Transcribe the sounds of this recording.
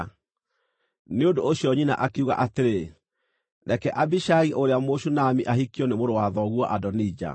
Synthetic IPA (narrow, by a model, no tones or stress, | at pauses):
neondoːɕjɔɲina̰ʔakeuɣa̰ʔateɾe | ɾɛkɛʔabiʃaɣiʔoɾeamoʃunamiʔahikiɔnemoɾowaðɔɣwɔʔadɔnid͡ʒa̰